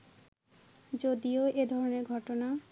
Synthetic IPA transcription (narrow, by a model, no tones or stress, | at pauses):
d͡ʑod̪ioed̪ʱɔɾoneɾɡʱɔʈona